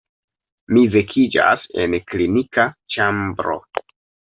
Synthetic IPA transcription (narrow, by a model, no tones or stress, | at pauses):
mivekʰid͡ʒa̰se̞̰nklinikat͡ʃambɾo̞̰